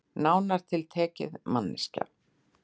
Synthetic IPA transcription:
naːwnaɾ̥t̪ʰɪlt̪ʰɛːcɪ̰ðmanːɪsca̰

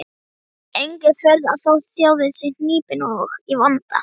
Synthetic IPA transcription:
ejŋkɪɾfɛɾðaðθawsjaːwðɪsɪn̥niːpɪnɔxivant̪a̰

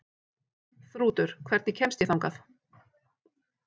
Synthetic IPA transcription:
θɾuːt̪ʏɾ̥kʰvɛɾ̥t̪nɪcʰɛmst̪jɛθawŋkaθ

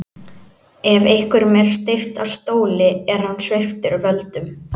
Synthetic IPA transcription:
ɛvejhkʏɾmɛɾ̥st̪ɪft̪av̥st̪oːwlɪɛɾ̥hanːsve̥ft̪ɪɾvœlt̪ʏm

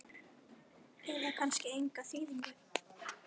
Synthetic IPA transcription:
ɛðakʰanscɪejŋkaθiːðiɲʏɾ

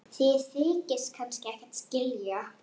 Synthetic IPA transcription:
θiθɪːcɪskʰajnskcɪɛhkḁt̪scɪlja

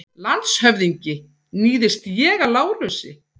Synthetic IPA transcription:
lant̪shœvðiɲcɪ | niːðɪst̪jɛːɣalaːwlœsɪ̰

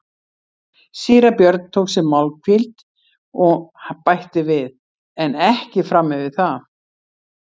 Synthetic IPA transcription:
siːɾapjœɾt̪̚n̥t̪ʰowksɛmawlkʰfilt̪ | ɔɣhapajht̪ɪvɪð | ɛnɛhcɪfɾamːɪvɪðθa

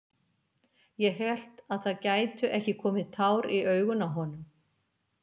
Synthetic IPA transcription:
jɛɦɛl̥t̪aðθaðcaːjt̪ʏʔɛhcɪkʰɔːmɪðt̪ʰaːwɾiœɥɣʏnaɦɔnʏm

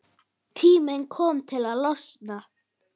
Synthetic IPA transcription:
t̪ʰiːmənkʰɔmt̪ʰɪlalɔsna

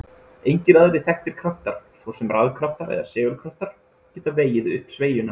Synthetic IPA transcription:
ejɲcɪɾaðɾɪθɛxt̪ɪɾ̥kʰɾaft̪aɾ̥svɔsɛmraðkʰɾaft̪aɾɛ̰ða̰sɛːɣʏlkʰɾaft̪aɾ̥ | cɛːt̪aveːjɪðʏhpsveːjʏna

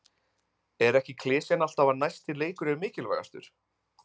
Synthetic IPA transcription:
ɛɾɛhcɪkʰlɪːsjɛnal̥t̪avanajst̪ɪleːjkʏɾɛmɪːcɪlva̰ja̰st̪ʏ̰ɾ̥

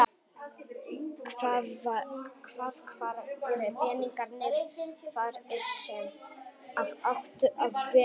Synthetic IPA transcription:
kʰva | kʰvaːðkʰvaːɾɾɛvɛːniŋkaɾnɪɾvaɾɛ̥sɛnavœxt̪ʏʔaðvɛ

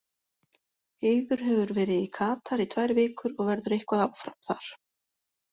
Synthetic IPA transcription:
eːjðʏɾ̥ɦɛvʏɾvɛːɾɪðikʰaːt̪ʰaɾit̪ʰvajɾvɪːkʏɾɔɣvɛɾðʏɾehkvaðawfɾamθa̰ɾ̥

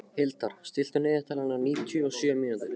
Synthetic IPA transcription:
hɪlt̪aɾ̥st̪ɪl̥t̪ʏnɪːðɪht̪ʰaːlanaɾniːt̪ʰjʏɔsjœmiːnat̪ʏɾ

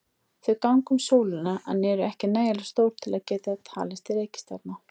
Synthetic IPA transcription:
θvœkawŋkʏmsoːwlɪnaʔa̰nːɛɾʏɛhcɪnaːjalḁst̪owɾ̥t̪ʰɪlaðcɛːt̪at̪ʰa̰ːlɪst̪ɪɾeːjcɪ̥st̪a̰t̪na

